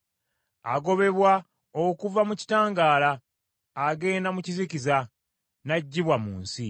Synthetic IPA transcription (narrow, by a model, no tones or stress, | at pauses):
a̰ɡo̞βe̞βwa | okuvamuci̥taːŋɡaːlaː | ɡe̞ːndamucizikiza | naɟːiβwamuːnsi